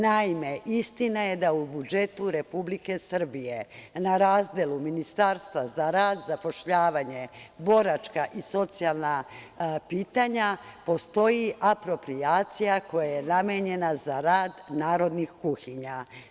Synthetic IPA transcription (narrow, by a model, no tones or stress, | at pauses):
naime̞ʔist̪inaje̞d̪aubud͡ʒe̞t̪uɾe̞publike̞sr̩bije̞naɾaːzd̪eluminist̪aɾst̪ʋazaɾaːd̪zapo̞ʃʎaːʋaɲe̞bo̞ɾat͡ʃkaʔiso̞t̪sialˠna | piːt̪aɲapo̞st̪o̞jiʔapɾo̞pɾiaːt̪sijako̞jajenameɲe̞nazaɾaːd̪naːɾo̞d̪nixkuxiɲa